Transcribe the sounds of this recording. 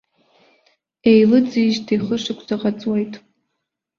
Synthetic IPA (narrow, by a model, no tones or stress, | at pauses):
ejlɨd͡ziʒtʰiχəʂɨkʷʰʼzaqʼat͡sʼwejtʼ